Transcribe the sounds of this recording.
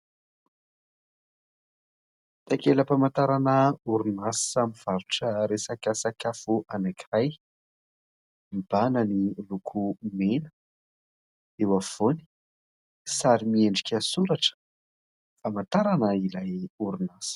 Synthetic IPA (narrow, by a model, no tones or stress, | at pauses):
t̪akeləpamant̪aɾanəuɾunasamiv̥aɾuʈ͡ʂəɾesakasakafuʔanakiraj | mib̥anənilukʰumenə̥ | ewav̥oni̥ | saɾimieɳɖ͡ʐikʲəsuɾaʈ͡ʂə̥ | famant̪aɾanəilajuɾunasi̥